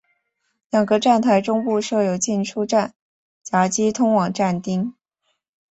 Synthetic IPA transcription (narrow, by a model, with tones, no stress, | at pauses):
ljɑ˨˩ŋɡə˧˦˥ʈ͡ʂa˥˩nt̪ʰa˧˥ɪʈ͡ʂʊ˥ŋpu˥˧ʂɤ˥˩jo˨˩ʊt͡ɕi˥˩nʈ͡ʂʰu˥ʈ͡ʂa˥˩n | t͡sa˧˥t͡ɕi˥t̪ʰʊ˥ŋwɑ˨˩ŋʈ͡ʂa˥˩nt̪i˥ŋ